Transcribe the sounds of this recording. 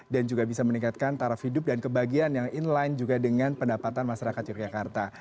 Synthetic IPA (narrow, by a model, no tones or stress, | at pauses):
dand͡ʒuɡabisaməniŋkat̪̚kant̪aɾafhidʊp̚dankəbaɡianjaŋinland͡ʒuɡadəŋanpəndapat̪anmaʃaɾakat̪̚jɔkd͡ʒakart̪a